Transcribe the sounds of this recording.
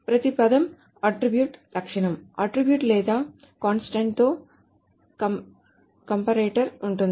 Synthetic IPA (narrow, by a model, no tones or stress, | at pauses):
pɾɐt̪ipɐd̪ɐm | ɐʈɾibjuːʈlɐkʂɐɳɐmɐʈɾibjuːʈlɛːd̪aː | kaːnsʈɐɳʈ̚t̪oː | ɐ | kɐmpɐɾeːʈɐɾuɳʈund̪i